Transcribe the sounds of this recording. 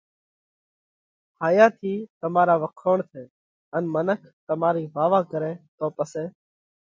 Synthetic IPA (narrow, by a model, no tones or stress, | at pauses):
haːjaːt̪ʰiːt̪əmaːɾaːʋəkʰoːɳt̪ʰẽː | ənmənəkʰt̪əmaːɾiːʋaːʋaːkəɾẽːt̪oːpəsẽː